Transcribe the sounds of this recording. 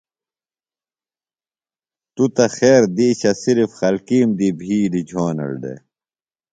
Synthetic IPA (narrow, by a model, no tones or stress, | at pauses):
t̪ut̪ɐxeːɾd̪iːɕɐsiɾifxɐlkiːmd̪ibʱiːlid͡ʑʱoːnɐ̰lɖ̪ḛ